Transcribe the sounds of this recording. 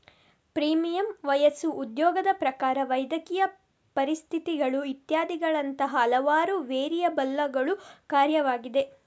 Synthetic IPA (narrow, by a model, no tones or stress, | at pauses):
pɾiːmijɐmʋɐjɐsuːd̪jɔːɡɐd̪ɐpɾɐkaːɾɐʋɐjd̪ɐkijɐ | pɐɾist̪ʰit̪iɡɐɭuit̪jaːd̪iɡɐɭɐnt̪ɐɦɐːlɐʋaːɾuʋeːɾijɐbɐlːɐɡɐɭukaːɾjɐʋaːɡid̪e̞